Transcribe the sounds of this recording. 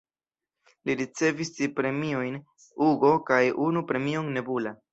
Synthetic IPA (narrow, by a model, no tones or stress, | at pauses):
liɾit͡se̞vistipɾe̞miojn | uɡo̞kajunupɾe̞mioŋne̞bula